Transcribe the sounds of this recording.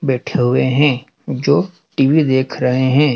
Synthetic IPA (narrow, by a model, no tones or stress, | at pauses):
bɛːʈʰeɦʊeɦɛ̃ː | d͡ʒoː | ʈiːʋid̪eːkʰɾəɦeɦɛ̃ː